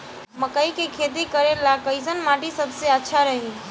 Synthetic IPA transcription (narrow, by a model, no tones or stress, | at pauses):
məkəikekʰeːt̪̬ikəɾelakəɪsənmaʈisəbseətːʃʰaɾəɦi